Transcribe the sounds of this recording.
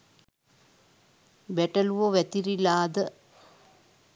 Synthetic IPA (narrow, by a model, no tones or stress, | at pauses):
bɛʈɐluʋoʋɛt̪iɾilaːd̪ə